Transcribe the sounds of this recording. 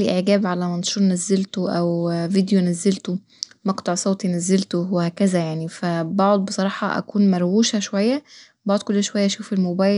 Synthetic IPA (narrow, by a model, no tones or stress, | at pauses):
liʔeʕɡæːbʕalæmænʃuːɾˤnæzːelt̪oʔæwvid̪jonæzːelt̪o | mɑkt̪ɑʕsˤoːt̪ijnæzːelt̪owehæːkæzæjaʕnifæbɑʕod̪̚ˤbesˤɑɾˤɑːħɑ̰ʔæ̰kuːnmæɾˤwuːʃæʃowæjːæ | bɑʕod̪̚kolːæʃowæjːæʔæʃuːfelmobæːj